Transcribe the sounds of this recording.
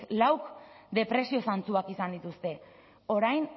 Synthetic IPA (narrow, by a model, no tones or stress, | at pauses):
lawk | d̪e̞pɾe̞sio̞sant͡suakisand̪it̪ust̪e̞ | o̞ɾajn